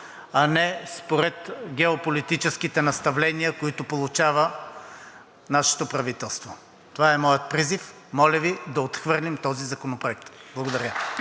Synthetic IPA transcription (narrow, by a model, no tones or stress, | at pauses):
ɐnɛspoɾɛt̪ɡʲɛopolit̪it͡ʃɛskit̪ɛnɐst̪ɐvlɛniəkoit̪ʊpolˠʊt͡ʃavə | naʃɛ̥t̪opɾɐvit̪ɛlˠst̪vo | t̪ovaɛmɔjət̪̚pɾizif | mɔlʲəvid̪ɐot̪xvɤɾlʲimt̪ɔzizɐkonopɾoɛk̚t̪blˠɐɡod̪ɐɾʲə